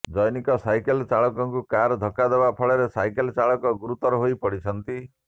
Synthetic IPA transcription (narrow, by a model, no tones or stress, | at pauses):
d͡ʒɔjnikɔsajkelt͡ʃaɭɔkɔŋkukaɾd̪ʱɔkad̪ebapʰɔɭɔɾesajkelt͡ʃaɭɔkɔɡuɾut̪ɔɾɔɦojpɔɽit͡ʃʰɔnt̪i